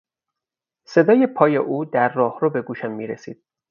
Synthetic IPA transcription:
se̞d̪ɒːje̞pʰɒːje̞ʔuːd̪æɾːɒːhɾobe̞ɡuːʃæmːiːɾesḭːd̪̥̚

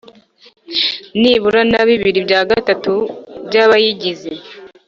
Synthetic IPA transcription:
niβuɾanaβiβiɾibjaːɡatatubjaːβajiɟize

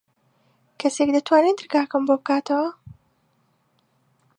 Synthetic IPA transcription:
kʰɐsekd̪ɐt̪waːnend̪ɨɾɡaːkɐmbobɨkaːt̪ɐwɐ

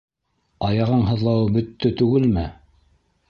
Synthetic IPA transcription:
ɑjɑʁɤɴɦɤ̆ðlˠɑwɤbɵ̆t̪ːɵt̪ʉɡɘlmɘ

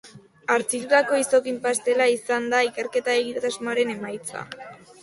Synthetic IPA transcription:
aɾt͡sit̪ut̪ako̞iso̞kimpast̪e̞laisand̪aike̞ɾke̞t̪ae̞ɣit̪at̪azunaɾe̞ne̞majt͡sa̰

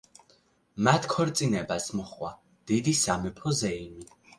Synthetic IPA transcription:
mat̪ʰkʰɔɾt̪sʼinɛbasmɔχwa | d̪̥id̪isamɛpʰɔzɛimi

